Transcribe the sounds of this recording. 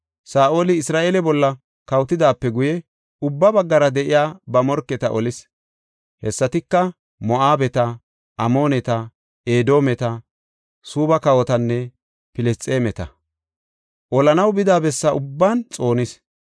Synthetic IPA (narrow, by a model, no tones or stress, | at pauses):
saːʔoːlɪɪsɾaːʔeːlɛbɔlːɐ | kɐwt̪ɪd̪aːpːɛɡʊjɛ | ʊbːɐbɐɡːɐɾɐd̪ɛʔɪjaːbɐmɔɾkːɛt̪ɐʔɔlɪs | hɛsːɐt̪ɪkːɐ | mɔʔaːbɛt̪ɐ | ʔɐmo̞ːnɛt̪ɐ | eːd̪o̞ːmɛt̪ɐ | suːbɐkɐwɔt̪ɐnːɛ | pɪlɛst͡sʼeːmɛt̪ɐ | ʔɔlɐnɐwbɪd̪aːbɛsːɐʔʊbːaːnt͡sʼo̞ːnɪs